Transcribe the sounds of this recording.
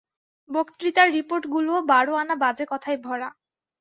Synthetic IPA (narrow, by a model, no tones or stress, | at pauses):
bokt̪ɾit̪aɾːipoɾʈɡuloobaɽoanabad͡ʑekɔt̪ʰaebʱɔɽa